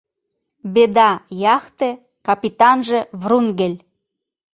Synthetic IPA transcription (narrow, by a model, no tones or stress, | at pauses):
bed̪ɑjɑxt̪e | kɑpit̪ɑnʒevrunɡelʲ